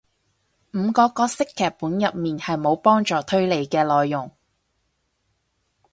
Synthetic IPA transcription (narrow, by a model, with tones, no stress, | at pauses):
m̩˨˧kɔː˧kɔː˧sɪ˥kʰːɛː˨˩pːuː˨˥njɐ˨p̚miː˨nhɐ˨jmo˨˧wpɔː˥ŋt͡ʃɔː˨˩t̪ʰɵ˥ɥle˨˧jkɛː˧lɔː˨jːʊ˨˩ŋ